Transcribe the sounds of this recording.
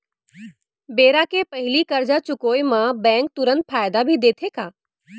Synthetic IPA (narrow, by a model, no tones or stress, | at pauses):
beːɾakepɐɦɪlikɐɾd͡ʒat͡ʃʊkoːjmãbɛ̃ːŋk̚t̪ʊɾə̃nt̪̚fʰaːjd̪abʱid̪eːt̪ʰekaː